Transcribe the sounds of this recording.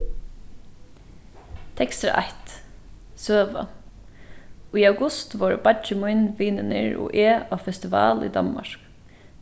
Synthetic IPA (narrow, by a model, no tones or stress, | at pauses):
t̪ʰɛkst̪ɾa̰ʔaht̪ | søːʋa̰ | iːaʊɡʊst̪ʋoːɹbad͡ʒɪmʊjnʋiːnɪnɪɹɔ̰ːʔeːafɛst̪ɪʋɑ̰ːlḭːd̪ɑ̰nma̰ɹ̥k